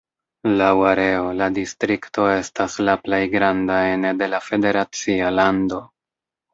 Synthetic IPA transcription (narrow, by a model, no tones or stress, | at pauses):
lawaɾe̞o̞ladistɾikto̞e̞staslaple̞jɡɾandae̞ne̞de̞lafe̞de̞ɾat͡sialando̞